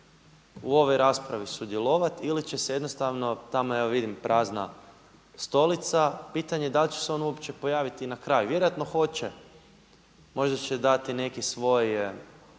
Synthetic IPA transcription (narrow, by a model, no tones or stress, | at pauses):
uo̞ʋo̞jɾaspɾaʋisud̪jelˠo̞ʋat̪ilit͡ɕeseje̞d̪no̞st̪aʋno̞t̪amojaʋaʋid̪impɾʔaːzna̰ | st̪o̞lit̪sapiːt̪aɲed̪alit͡ɕe̥seo̞nuopt͡ɕepo̞jaːʋit̪inakɾajuʋje̞ɾojat̪no̞xo̞t͡ɕe | mo̞ʒd̪at͡ɕed̪at̪ine̞kisʋo̞j